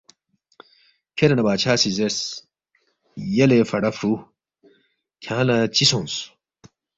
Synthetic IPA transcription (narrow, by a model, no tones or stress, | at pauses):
kʰeɾɐnɐbaːt͡ɕʰaːsizes | jɐlefɐɽɐfɾu | kʰãːlɐt͡ɕisõns